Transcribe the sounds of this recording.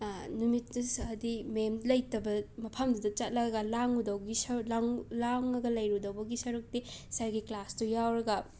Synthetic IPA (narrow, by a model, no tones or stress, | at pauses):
numitdɐsɐdimemlɐjtɐbɐmɐpʰɐmdudɐt͡ʃɐt̚lɐɡɐlaŋudɐwɡisɐlaŋlaŋɐɡɐlɐjɾudɐwbɐɡisɐɾuk̚tisaɾɡiklastujawɾɐɡɐ